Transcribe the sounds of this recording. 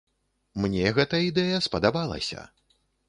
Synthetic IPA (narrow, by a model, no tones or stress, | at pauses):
mnʲɛɣɛt̪ɐid̪ɛjɐspɐd̪abalˠɐ̰sʲɐ̰